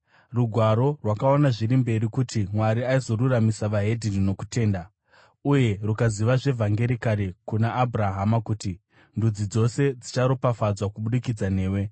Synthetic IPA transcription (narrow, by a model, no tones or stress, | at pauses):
ruɡʱwaɾo̞rwakaonaʐiɾimbe̞ɾikutimwaɾiaizo̞ɾuramisaʋaɦe̞dʱinino̞ku̥te̞ːnda | uje̞rukaziʋaʐe̞vʱaŋɡe̞ɾikaɾekunaʔːbʱraɦamakuti | ndud͡zid͡zo̞se̞d͡zit͡ʃaɾopafad͡zwakuɓuɗikid͡zane̞ːwe̞